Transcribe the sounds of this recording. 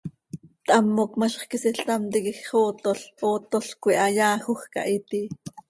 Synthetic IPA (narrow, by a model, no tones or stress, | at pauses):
t̪ʔɑmːokmɑɬχkisiɬt̪ɑmt̪ikixχoːt̪oɬoːt̪oɬkʷiʔɑjaːxoxkɑ̰ʔit̪i